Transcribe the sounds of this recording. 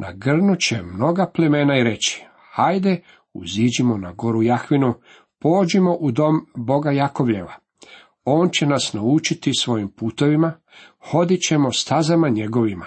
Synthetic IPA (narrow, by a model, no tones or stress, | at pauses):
nʔa̰ɡr̩nut͡ɕe̞mno̞ɡapleme̞ːnaiɾe̞t͡ɕi̥ | hajd̪e | ṵziːd͡ʑimo̞naɡo̞ɾujaxʋinu | po̞ːd͡ʑimo̞ʔud̪o̞mbo̞ɡajako̞ʋʎe̞ʋa̰ | o̞ːnt͡ɕe̞nasnaut͡ʃit̪isʋo̞jimpuːt̪o̞ʋima | xo̞d̪it͡ɕe̞mo̞st̪azamaɲe̞ɡo̞ʋima